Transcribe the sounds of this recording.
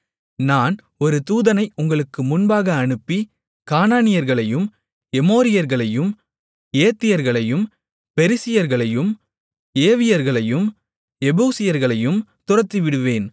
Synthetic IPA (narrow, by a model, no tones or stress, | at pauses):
naːn | ɔɾɯt̪uːðɐnɐɪʔʊŋɡɐɭɯkːɯmʊnbaːɣɐːɳɯpːi | kaːnaːnɪjɐɾɣɐɭɐjɯm | ɛmoːɾɪjɐɾɣɐɭɐjɯm | eːt̪ːɪjɐɾɣɐɭɐjɯm | pɛɾɪsɪjɐɾɣɐɭɐjɯm | eːʋɪjɐɾɣɐɭɐjɯm | ɛbuːsɪjɐɾɣɐɭɐjɯmt̪ʊrɐt̪ːiʋɪɽɯʋeːn